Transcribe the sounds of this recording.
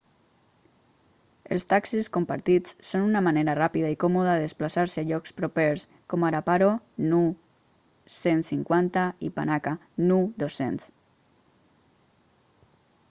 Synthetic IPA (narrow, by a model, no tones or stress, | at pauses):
ə̰lˠst̪aksiskompa̰ɾt̪it͡sːonunamaneɾarapiðaikɔmoðaeðesplasaɾsəaʎɔkspɾopeɾs | kɔmaɾapaɾo | nu | sensiŋkwant̪aḭpa̰naka | nuðosḛns